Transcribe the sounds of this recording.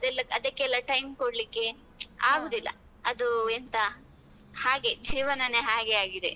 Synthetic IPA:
ɐd̪ɛlːɐɐd̪ɐkːeɛlːɐʈɐjmkoɽlikːe̞ | aːɡoːd̪ilːɐ̰ | ɐd̪uent̪ɐ | haːɡed͡ʒiːʋɐnɐneɦaːɡe̞aːɡid̪ḛ

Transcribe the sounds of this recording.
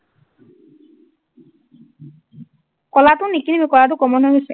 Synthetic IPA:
kɔlat̪ʊnikinemikɔlat̬ʊkɔmɔnɦɔɦuse

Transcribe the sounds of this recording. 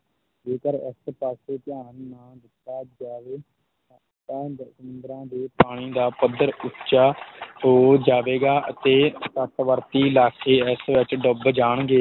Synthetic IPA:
d͡ʒeːkəɾɪ̰spaːseːt̪ɪjaːnːãːd̪ɪt̪ːaːd͡ʒaːʋeː | t̪ɛ̃ːsəmʊnd̪ɾãːd̪eːpaːɽ̃iːd̪aːpəd̪əɾʊtt͡ʃaːɦoːd͡ʒaːʋeːɡaːʔə̰t̪eːsət̪ʋəɾt̪iːlaːkʰeːɪsʋɪt͡ʃɖəbd͡ʒaːɳɡeː

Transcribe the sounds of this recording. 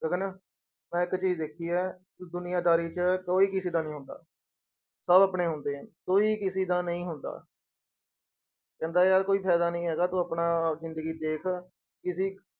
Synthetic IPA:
ɡəɡənaː | mɛ̃ːɪkt͡ʃiːd͡ʒd̪eːkʰiːɛː | d̪ʊnɪjãːd̪aːɾiːt͡ʃəkoːiːkɪsiːd̪aːnəĩːɦʊ̃nd̪a̰ː | səbəpɳeːɦʊnd̪eːɦə̃koːiːkɪsiːd̪aːnəĩːɦʊnd̪a̰ː | kɛ̃ːnd̪aːjaːɾkoːiːpʰɛːd̪aːnəĩːɦɛːɡaːt̪õːəpnaːzɪnd̪əɡiːd̪eːkʰ | kɪsiː

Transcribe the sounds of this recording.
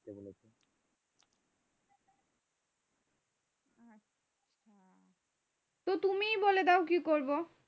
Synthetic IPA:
ebolet͡ɕʰe | a | a | t̪ot̪umijboled̪ɛokikoɾbo

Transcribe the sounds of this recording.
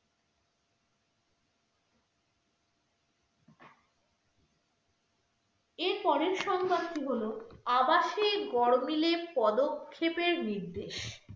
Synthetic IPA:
eɾpɔɾeɾʃɔŋbant̪iɦoloabaʃeɡɔɾmilepɔd̪okʰːepeɾniɾd̪eʃ

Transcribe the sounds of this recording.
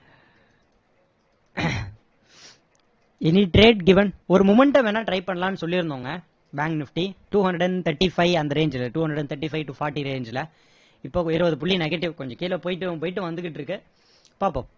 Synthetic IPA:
ɛniʈɾeːɖɡɪʋɛnɔɾɯmʊmɛɳʈɐmɛnːaːʈɾɐɪpɐɳːɐlaːnːɯsɔlːiɾɯnd̪oːŋɡɐ | baːŋknɪfʈiʈuːhɐnɖɽɛnt̪ʰɐʈːifɐɪɐnd̪ɐɾeːɲd͡ʒɪlɐʈuːhɐnɖɾɐɽɛnt̪ʰɐʈːifɐɪʈʊfaːɾʈːiɾeːɲd͡ʒɪlɐ | ɪpːoːɪɾɯʋɐðɯp̬ʊɭːinɛɣɐʈːɪʋkɔɲd͡ʒɔ̃kiːlɐpoːjɪʈːɯpoːjɪʈ̬ːɯʋɐnd̪ɯkːɪʈːɾɯkːɯ | paːpːo̰ː

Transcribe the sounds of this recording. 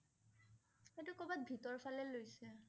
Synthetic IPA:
etʊkobat̚bʱitɔɹfʰalɛlojsɛ

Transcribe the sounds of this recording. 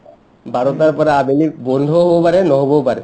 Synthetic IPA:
baɾot̪aɾpɔɾeabelibɔnd̪ʱoɦobopaɾenɔɦobopaɾe

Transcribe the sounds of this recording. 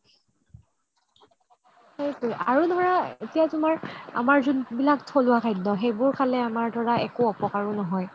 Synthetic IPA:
ejtʊjʔaɹudʱɔɹaetijatʊmaɹa̰maɹzunbilaktʰolʊwakʰajdnɔxejbʊɹkʰalɛamaɹdʱɔɹaɛkuɔpɔkaɹɔnɔɦɔj

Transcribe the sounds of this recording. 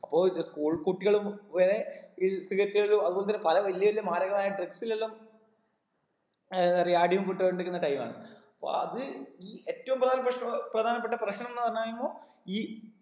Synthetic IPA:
ɐpːo̞ːɭskuːɭkuʈːiɣɐɭumʋeɾeisiɣɐtːiɣɐɭlumɐðubo̞ːlet̪̬ːɐnːepɐlɐʋɐlijɐʋɐljɐmaːɾɐɣɐmaːjɐɖriksilelːam | ɐrijaːɖiʋumpuʈːɐɳɖiɾikːunːɐʈɐjma̰ːɳɨ̰ɐɐpːo̰ːɐ̰ðɨiːe̞ːtːɐʋumprɐd̪ʱaːnɐpːrɐʂprɐd̪ʱaːnɐp̬ːeʈːɐprɐɕɳɐmenːɨpɐrɐɲːaːjumːboː | iː

